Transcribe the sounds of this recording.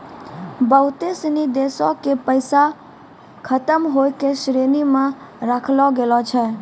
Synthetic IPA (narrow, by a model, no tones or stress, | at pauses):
bəɦʊt̪esnid̪esɔkepəɪsa | kʰət̪əmɦojkesɾenimã | ɾakʰlɔɡelɔt͡ʃʰɛ